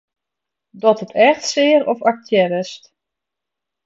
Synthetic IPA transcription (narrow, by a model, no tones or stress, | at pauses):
dɔtətʰɛxtsɪːəɾɔfak̚tʰjɛɾəst